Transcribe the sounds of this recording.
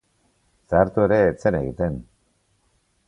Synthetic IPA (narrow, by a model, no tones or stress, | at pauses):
saːɾt̪ue̞ɾe̞ːt͡se̞ne̞ɣḭt̪e̞n